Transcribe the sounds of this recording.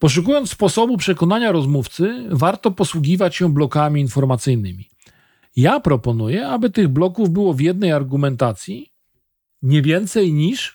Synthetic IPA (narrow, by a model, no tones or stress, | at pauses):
pɔʂ̬ukujɔnt̪spɔsɔbupʂɛkɔnaɲaɾɔzmuft̪sɘvaɾt̪ɔpɔswuɡʲivat͡ɕɕɛblɔkamʲiːnfɔɾmat̪sɘjnɘmʲi | japɾɔpɔnujɛabɘt̪ɘɣblɔkuvbɘwɔvjɛd̪nɛjaɾɡumɛnt̪at̪sʲji | ɲɛvʲjɛnt̪sɛjɲiʂ